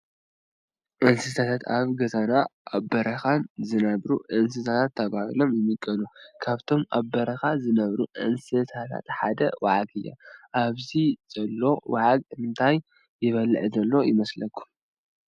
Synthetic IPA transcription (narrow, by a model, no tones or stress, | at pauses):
ʔɨnsɨt̪ʰat̪ʰat̪aβɡɐzanaʔaβbɐɾɐxanzɨnɐβɾuʔɨns̬ɨt̪ʰat̪ʰat̪ʰːɐβahilo̞mjɪmɨkʼːɐnukʰaβt̪ʰo̞mʔabɐɾɐxazɨnɐβɾuʔɨ̰nsɨt̪ʰat̪ʰa̰t̪ħad̪ɐwaʕaɡɨjːa̰ʔaβziz̥ɐlːo̞waʕaɡ̚mɨnt̪ʰajː | ɪβɐlʕzɐlːo̞jɪmɐslɐkʰːu̥